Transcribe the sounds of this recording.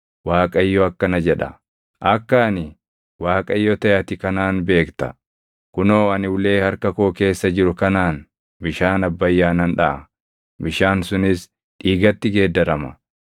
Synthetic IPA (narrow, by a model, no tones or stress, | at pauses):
waːkʼɐɪjːɔɐkːɐnɐd͡ʒɛᶑɐ̰ | ʔɐkːaːnɪ | waːkʼɐjːɔt̪ɐjɐt̪ɪkɐnaːnbe̞ːkt̪ɐ | kʊnoːɐnɪwʊle̞ːhɐɾkɐkoːke̞ːsːɐd͡ʒɪɾʊkɐnaːn | bɪʃaːnɐbːɐjːaːnɐnᶑɐʔɐ | bɪʃaːnsʊnɪs | ᶑiːɡɐt̪ːɪɡe̞ːd̪ːɐɾɐmɐ̰